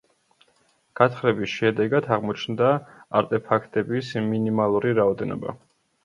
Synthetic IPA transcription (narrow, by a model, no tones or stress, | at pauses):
ɡ̥at̪χɾɛbisʃɛd̪ɛɡad̪ʰaʁmɔt͡ʃʰnd̪aaɾt̪ʼɛpʰakʰt̪ʼɛbisminimalˠuɾiɾaɔd̪ɛnɔ̰ba̰